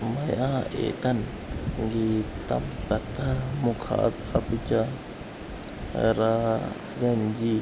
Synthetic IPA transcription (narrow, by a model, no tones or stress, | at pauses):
majaḛt̪an | ɡit̪a̰mɾat̪amukʰa̰t̪ | aput͡ʃa | ɾa | d͡ʒand͡ʒi